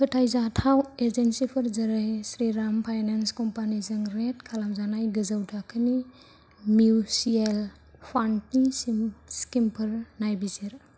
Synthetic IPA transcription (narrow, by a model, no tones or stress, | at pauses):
pʰɯtʰajzatʰaweɾzensipʰɯɾzɐɾajsɾiɾampʰajnanskɔmpanizɯŋɾetkʰalamzanajɡɯzawtʰakʰɯni | miwsiel | pʰantnisskimpʰɯɾnajbiziɾ